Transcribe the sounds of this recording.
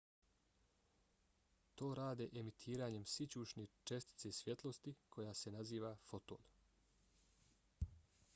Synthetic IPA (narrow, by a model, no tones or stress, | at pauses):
t̪o̞ːɾaːd̪eʔemit̪ʰiːɾaːɲe̞msit͡ɕuːʃɲe̞t͡ʃe̞st̪i̥t̪se̞sje̞t̪lˠo̞st̪ikʰo̞jaːse̞naziːʋafo̞t̪o̞̰ːn